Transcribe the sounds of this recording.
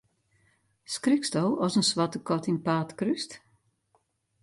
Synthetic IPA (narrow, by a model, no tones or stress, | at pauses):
skrykstowɔsənsʋɑtəkɔtɪnpaːtkryst